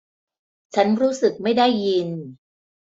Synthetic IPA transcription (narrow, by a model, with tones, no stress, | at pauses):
t͡ɕʰa˦˥nɾuː˦˥sɯ˨˩k̚ma˥˩jda˥˩jːi˧n